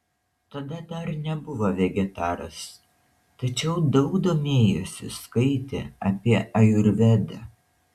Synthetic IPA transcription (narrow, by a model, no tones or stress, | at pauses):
t̪ɐd̪ɐd̪ɐɾnʲɛbʊʋoʋʲɛɡʲɛt̪ɑːɾɐ̰s | t̪ɐt͡ʃʲɛʊd̪ɒʊɡd̪oːmʲeːjo̰sʲɪ̰skɐɪt̪ʲɛ̰ɐpʲiɛɐjʊɾʲʋʲɛd̪ɐ